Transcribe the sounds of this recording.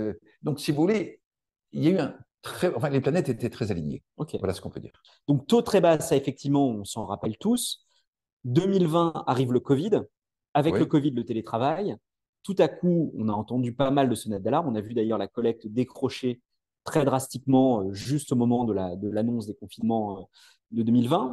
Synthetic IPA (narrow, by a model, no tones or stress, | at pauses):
ø | d̪ɔ̃ksivuvule | iljayɛ̃t̪χχɛɑ̃fɛ̃leplanɛt̪et̪ɛt̪χɛzaliɲjḛ | ɔkʲevala̰sə̥kɔ̃pø̰d̪ḭːʁ | d̪̥ɔ̃k̚t̪ot̪χɛbaːsaefɛk̚t̪ivmɑ̃ɔ̃sɑ̃ʁapɛlt̪us | d̪əmilvɛ̃a̰ʁivləkɔvid̪ | avɛləkɔvid̪lət̪elet̪χavaj | t̪ut̪akuɔ̰̃naɑ̃t̪ɑ̃d̪ypamald̪əsɔnɛt̪̚d̪alaʁmɔ̃navyd̪ajœʁlakɔlɛk̚t̪d̪ekχɔʃe | t̪χɛd̪ʁast̪ikmɑ̃øʒyst̪omɔmɑ̃d̪əlad̪əlanɔ̃sd̪ekɔ̃finmɑ̃ø | d̪əd̪əmilvɛ̃